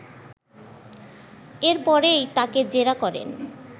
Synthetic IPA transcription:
eɾpɔɾejt̪aked͡ʑeɾakɔɾḛn

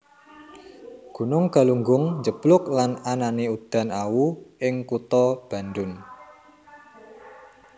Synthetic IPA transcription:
ɡ̥ṳnʊŋka̤luŋɡʊŋɲd͡ʒəb̥lʊklanananeud̪̥a̤nawuʔɪŋkut̪ɔb̥a̤nd̪ʊn

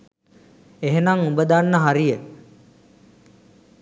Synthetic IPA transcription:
eɦenaŋubəd̪anːəɦaɾijə

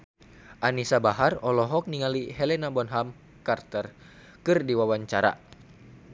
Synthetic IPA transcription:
ʔanisabaɦarɔlɔɦɔk̚niŋaliɦɛlɛnabɔnɦam | kart̪ər | kɨrdiwawaɲt͡ʃaɾa̰

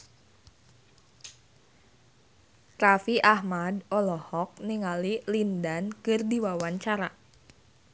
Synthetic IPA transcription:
rafiʔahmadɔlɔhɔk̚niŋalilindankɨrdiwawaɲt͡ʃaɾa

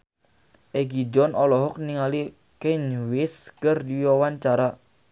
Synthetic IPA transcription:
ʔeɡid͡ʒɔnʔɔlɔɦɔk̚niŋali | kɛnwɪskərdiwawaɲt͡ʃaɾa

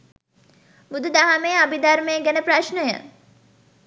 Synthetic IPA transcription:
bud̪ud̪aɦamejabid̪aɾmejəɡænəpɾaʃnəjə̰

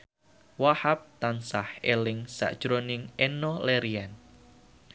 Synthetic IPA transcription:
wahap̚t̪ansahelɪŋsa̰ʔd̥ʒ̥ɾonɪŋenoleɾian

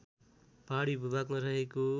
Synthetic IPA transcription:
paɽibʱubaɡmaɾʌɦeko

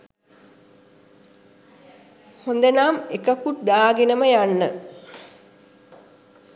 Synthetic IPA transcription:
hond̪ənaːmekəkut̪̚d̪aːɡenəməjanːə

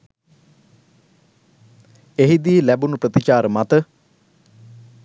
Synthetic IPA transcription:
eɦid̪iːlæbunuprət̪it͡ʃaːɾəmat̪ə

